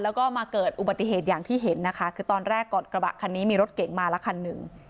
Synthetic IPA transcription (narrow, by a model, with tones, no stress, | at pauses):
lɛː˦˥wkɔː˥˩maː˧kɤː˨˩t̪̚ʔu˨ba˨˩t̪ːi˨ɦeː˨˩t̪̚jaː˨˩ŋt̪ʰiː˥˩ɦe˩˦nːa˦˥kʰa˦˥kʰɯː˧t̪ɔː˧nɾɛː˥˩kːɔː˨˩n̚kɾa˧ba̰˨˩ʔkʰa˧nːiː˦˥miː˧ɾo˦˥t̪̚ke˩˦ŋmaː˧la˦˥kʰa˧nːɯ˨˩ŋ